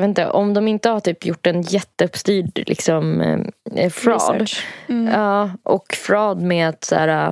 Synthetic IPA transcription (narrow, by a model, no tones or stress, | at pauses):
et̪nt̪ə̰ʔɔmd̪ɔmɪnt̪əhaʈyːpjʊʈːɛnjɛt̪ːəɵpst̪yːɖlʔɪ̰ksɔm | fɾɑ̰ːd̪ | ɑːʔɔkfɾɑːd̪meːat̪sæ̰ːɾa